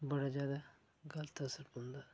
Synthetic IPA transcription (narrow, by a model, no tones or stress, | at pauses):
bɐɽad͡ʒjaːd̪a | ɡɐlt̪ɐsəɾʊ̃nd̪a